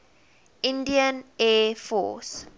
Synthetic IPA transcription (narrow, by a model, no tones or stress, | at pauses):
ʔĩndiənɛːfɔ̰ːs